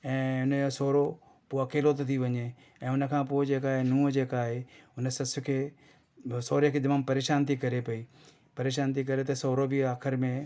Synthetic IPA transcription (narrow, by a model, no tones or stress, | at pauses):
ɛ̃ːʊnjosoːɾo | poːɐkeːlot̪̬et̪ʰiʋɐɲe | ɛ̃ːʊnəkʰãːpoːɪd͡ʑeːkaːɦenũːd͡ʑeːkaːɦeʊnəsɐsʊkʰeː | soːɾəkʰeːd̪ɐmaːmpɐɾeːʃaːnt̪ikɐɾepɐiː | pɐɾeːʃaːnt̪ik̬ɐɾet̪ɐsoːɾobʱɪaːkʰɪɾmẽ